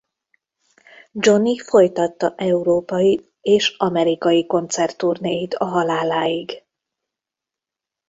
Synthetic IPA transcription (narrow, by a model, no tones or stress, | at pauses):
d͡ʒo̞nifo̞jt̪ɒt̪ːɒʔɛuɾoːpɒji | eːʃɒmɛɾikɒjiko̞nt̪sɛrt̪ːurneːjit̪ʰɒɦɒlaːlaːiɡ